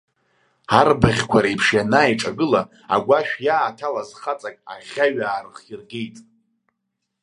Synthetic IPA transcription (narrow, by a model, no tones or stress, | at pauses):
arbaʁʲkʷʰaɾajpʰʂjanajʈ͡ʂʼaɡɨla | a̰ɡʷaʃᶣjaːtʰalazχat͡sʼakʼa̰ʁʲaɥaːrχirɡʲejtʼ